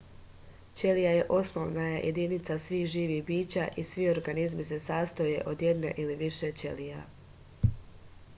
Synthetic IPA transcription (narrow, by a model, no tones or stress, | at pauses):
t͡ɕe̞lijaje̞ʔo̞snoʋnajajʔḛd̪iːnit̪sasʋiːxʒiːʋihbiːt͡ɕaʔisʋio̞ɾɡanizmis̬e̞saːst̪oje̞ʔo̞d̪je̞d̪ne̞̰ʔiliʋiʃe̞t͡ɕḛlija